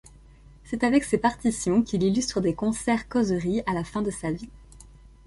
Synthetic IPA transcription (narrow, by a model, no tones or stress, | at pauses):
sɛt̪avɛksepaʁt̪isjɔ̃kʲililyst̪χəd̪ekɔ̃sɛʁkɔzʁialafɛ̃d̪əsavi